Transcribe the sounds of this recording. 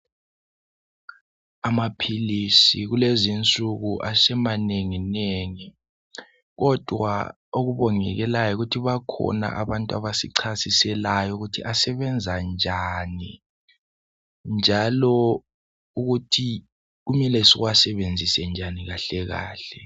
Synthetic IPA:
amapʰilisiɣulezint͡sʼuɣuʔasɛmaneŋineŋi | ɣɔd̥ʱwa̰ | oɣuβɔŋɛɣɛlajɔuɣutʰiβakʰɔ̰na̰ʔaβantʼua̰βasiǀʰasisɛlajɔuɣutʰiʔasɛβɛnd͡zʱand͡ʒʱani | nd͡ʒʱalɔ | uɣutʰi | ɣumɛlɛsiɣwasɛβend͡zʱisɛnd͡ʒʱaniɣaɬɛɣa̰ːɬɛ

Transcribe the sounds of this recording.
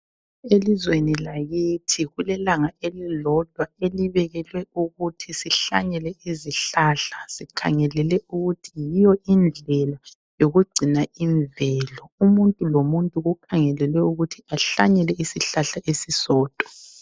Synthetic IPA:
elizwenilaɣitʰiɣulɛlaŋaʔelilɔd̥ʱwaeliβɛɣɛlwɛuɣutʰisiɬaɲɛlɛiziɬaɬasikʰa̰ŋɛlɛlɛuɣutʰijijɔʔind͡ɮʱɛla | joɣuɡ͡ǀʱinaiɱvɛlɔumuntʼulomuntʼuɣukʰaŋɛlɛlwɛuɣutʰiaɬaɲɛlɛisiɬaɬaʔesisɔːd̥ʱʼɔ̥

